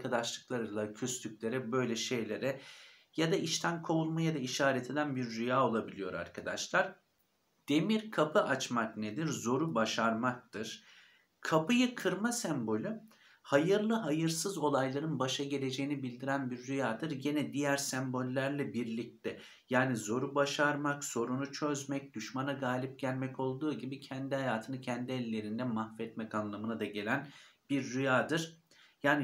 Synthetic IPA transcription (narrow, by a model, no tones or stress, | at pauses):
kʰad̪aʃlˠɯklˠaɾɯlˠacʰyslʲycʲlʲe̞ɾɛbø̞jlʲɛʃe̞jlʲe̞ɾɛ | jad̪aiʃt̪ʰænkʰo̞ulˠmajad̪aiʃaːɾɛt̪ʰe̞d̪ænbiɾːyjaːo̞lˠabilʲijo̞ɾa̰ɾkʰad̪a̰ʃlˠaɾ̥ | d̪̥e̞miɾkʰapʰɯʔat͡ʃmakned̪iɾzo̞ɾubaʃaɾmak̚t̪ʰɯɾ̥ | kʰapɯjɯkʰɯɾmasæmbo̞lʲy | hajɯɾlˠɯɦajɯɾsɯzo̞lˠajlˠaɾɯnbaʃaɟe̞lʲe̞d͡ʒe̞jinibilʲd̪iɾænbiɾːyjaːd̪ɯɾɟenɛd̪ijæɾsɛmbo̞lʲːæɾlʲɛbiɾlʲic̚t̪ʰɛ | jaːnizo̞ɾubaʃaɾmakso̞ɾunut͡ʃʰøzmɛc̚d̪̥yʃmanaɡaːlʲip̚ɟælʲmɛco̞lˠd̪uːɟibicʰɛnd̪iɦajaːt̪ʰɯnɯcʰɛnd̪iɛlʲːe̞ɾind̪ɛmahfɛt̪mɛkanlˠamɯnad̪aɟe̞lʲænbiɾːyjaːd̪ɯɾ̥ | jaːni